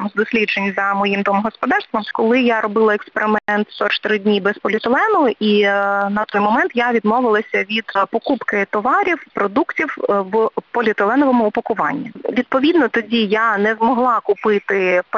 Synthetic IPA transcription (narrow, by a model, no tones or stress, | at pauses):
mzd̪ɔsʲlʲidd͡ʒenʲzɐmɔjimd̪ɔmɦɔspɔd̪ɑrst̪ʋɐmkɔlˠɪjaɾɔbɪlˠɐɛkspeɾɪmɛnt̪st̪ɔt͡ʃt̪ɪɾɪdʲnʲibɛspɔlʲɪt̪ɪlˠɛnʊʊʔinɐt̪ɔjmɔmɛnt̪jaʋʲid̪mɔʋɪlˠɐsʲɐʋʲid̪̥pɔkupkɪt̪ɔʋɑɾʲiwpɾɔd̪uktʲiwwpɔlʲit̪elˠɛnɔʋɔmʊːpɐkʊʋɑ̰nʲːiʋʲid̪̚pɔʋʲid̪nɔt̪ɔdʲijanɛzmɔɦlˠɑkʊpɪt̪ɪp